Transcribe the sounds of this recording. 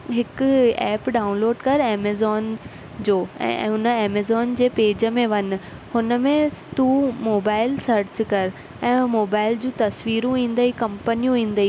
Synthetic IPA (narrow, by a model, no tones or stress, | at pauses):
ɦɪkɛːpɖaːʊ̃nloːɖkɐɾeːmeːzɔːn | d͡ʑoːɛ̰̃ːɦʊnəeːmezɔːnd͡ʑeːpeːd͡ʑə̆mẽʋɐn̆hʊnə̆mẽt̪umoːbaːɪlsɐɾt͡ɕkɐɾ | ɛ̃ːmoːbaːɪld͡ʑũːt̪ɐsʋiːɾũĩːnd̪əikɐ̃mpənijũĩːn̆d̪əiː